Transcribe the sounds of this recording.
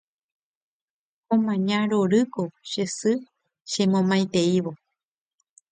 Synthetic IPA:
õmãɲãɾoɾɨkoʃesɨ | ʃẽmõmãjt̪e̞iʋo

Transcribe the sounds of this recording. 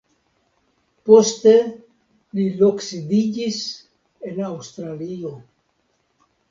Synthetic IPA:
post̪e | liloksid̪id͡ʒis | enawst̪ɾalio

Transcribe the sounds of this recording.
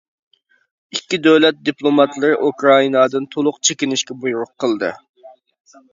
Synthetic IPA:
ikʲːid̪øwlɛt̪̚d̪iplˠomɑt̪lˠɨɾɨʔukɾɑinɑd̪ɨnt̪ʰolˠʊqt͡ʃʰekʲinɪʃkʲɛbujuɾʊqʰːəlˠd̪ɨ̰

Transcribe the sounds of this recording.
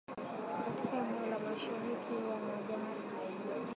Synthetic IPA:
katikamɔlamaʃaɾikʰiwamaɡamada

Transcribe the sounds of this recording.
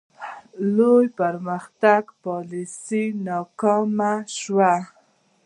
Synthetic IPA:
lojpaɾmaxt̪aɡpɑlisinɑkɑmaʃwa

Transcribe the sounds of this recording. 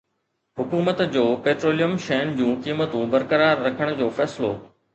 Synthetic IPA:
ɦʊkuːmət̪d͡ʑoːpeːʈɾoːlijəmʃɛɦnd͡ʑũːkiːmət̪ũbɐɾkəɾaːɾːɐkʰəɽ̃̆d͡ʑoːfɛːsɪlo̰ː

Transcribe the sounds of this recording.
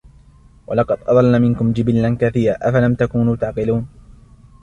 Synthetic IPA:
wʔa̰lɑqɑd̪ʔɑ̰d̪ˤɑlːamɪnkʊmd͡ʒɪbɪllankaθiːɾaːʔafalamt̪akuːnuːt̪aʕqɪluːn

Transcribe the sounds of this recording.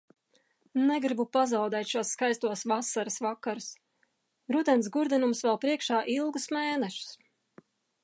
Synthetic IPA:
nɛɡɾibupazawd̪ɛjt̪ʃuɔsːkajst̪uɔsvasaɾasvakːaɾus | ɾud̪ɛnsɡuɾd̪inumsvɛlˠpɾiɛkʃaːʔilˠɡusmeːnɛʃu̥s

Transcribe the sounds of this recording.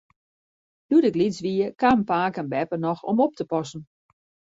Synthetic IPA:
d̥udɪklisʋiəkampaːkənbɛpənɔxo̰mop̚təpɔsn̩

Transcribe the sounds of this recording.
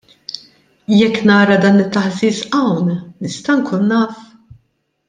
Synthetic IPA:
jɛkːnɐːɾɐd̪ɐːnɪt̪ːɐħziːsɐwnnɪst̪ɐŋkʰuːnːɐːf

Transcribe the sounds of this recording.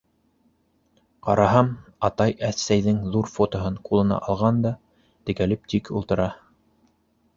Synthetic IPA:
qɑ̰ɾʔɑɦɑmɑt̪ɑjæθsæjðɘŋðuɾfot̪ŏɦɤɴqulˠɤ̆nɑ̰ʔɑlˠʁɑnd̪ɑ | t̪ɘ̆kælɘp̚t̪ikṵlˠt̪ɤ̆ɾɑ

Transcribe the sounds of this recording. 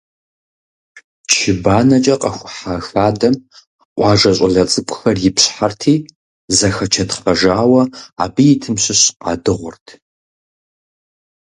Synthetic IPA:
t͡ʃʰɪbaːnɐt͡ʃʼɐqʼɐxʷʊħaxaːdɐm | ʔʷɑːʒɐɕʼɐɮɐt͡sʼɨkʷʼʊxɐrjɪpɕħartʰiː | zɐxɐt͡ʃʰɐtfɐʒaːwɐaːbɨjɪtʰɨmɕɪɕqɑ̰dɨʁʷʊrtʰ

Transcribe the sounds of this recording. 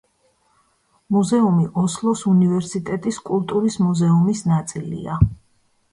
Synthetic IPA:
muzɛumiʔɔslˠɔsunivɛɾsit̪ʼɛt̪ʼiskʼulˠt̪ʼuɾismuzɛumisnat̪sʼilḭa

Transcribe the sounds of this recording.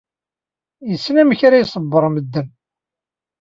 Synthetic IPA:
jəsːnæmçɾajsˤəbːəɾˤməd̪ːən

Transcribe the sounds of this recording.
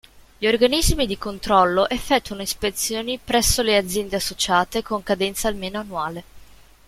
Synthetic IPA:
ʎiorɡanizmid̪ikont̪ɾɔlːoʔefːɛt̪ːuanoispet̪sːjoːnipɾɛsːolead̪zːjɛnd̪easːot͡ʃaːt̪ekoŋkad̪ɛnt̪saːlmeːnoanːuaːle

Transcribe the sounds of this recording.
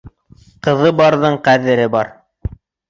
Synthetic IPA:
qɤ̆ðɤbɑɾðɤɴqæðɘ̆ɾɘbɑɾ

